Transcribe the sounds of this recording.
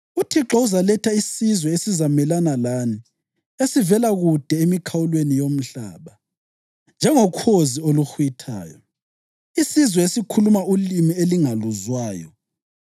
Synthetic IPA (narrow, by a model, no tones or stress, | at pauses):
utʰiǁɔuzalɛtʰaisizwɛesizamɛlanalani | esivɛlaɣud̥ʱɛemikʰawulwenijom̩ɬa̰ːβa | nd͡ʒʱɛŋɔkʰozioluxwitʰa̰ːjɔ̰ | isizwɛesikʰulumaulimieliŋaluzwaːjɔ̰